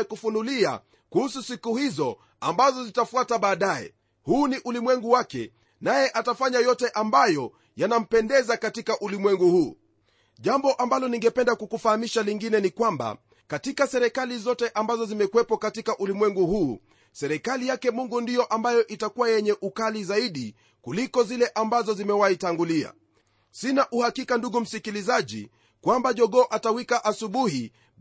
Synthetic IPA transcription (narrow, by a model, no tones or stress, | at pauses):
kufunulia̰ | kuhususikuhizɔ | ambazɔzitafuataɓaːɗajɛ̰ | huːniʔulimwɛŋɡuwakɛ̰ | najɛʔatafaɲajɔtɛʔambajɔ | janam̩pɛndɛzakatikaʔulimwɛŋɡuhuː | ʄambɔʔambalɔniŋɡɛpɛndakukufahamiʃaliŋɡinɛnikwamba̰ | katikasɛɾɛkalizɔtɛʔambazɔzimɛkuwɛpɔkatikaʔulimwɛŋɡuhuː | sɛɾɛkalijakɛmuŋɡundijɔʔambajɔʔitakuwajɛɲɛʔukalizaiɗi | kulikɔzilɛʔambazɔzimɛwaitaŋɡulia̰ | sinaʔuhakikanduɡum̩sikilizaʄḭ | kwambaʄɔɠɔːʔatawikaʔasuɓuhi